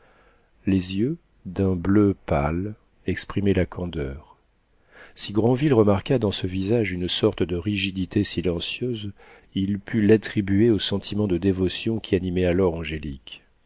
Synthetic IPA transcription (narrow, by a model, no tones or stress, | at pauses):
lezjø | d̪ɛ̃bløpal | ɛkspχimɛlakʰɑ̃d̪œːʁ | siɡʁɑ̃vilʁəmaʁkad̪ɑ̃səvizaʒynsɔʁt̪əd̪əʁiʒid̪it̪esilɑ̃sjøz | ilpʰylat̪χibyeosɑ̃t̪ʰimɑ̃d̪əd̪evɔsjɔ̃kʲʰianimɛalɔʁɑ̃ʒelik